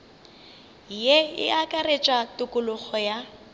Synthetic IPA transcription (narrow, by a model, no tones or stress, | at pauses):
jeɪ̰akʼaret͡ʃʼwatʼʊkʼʊlʊɣɔja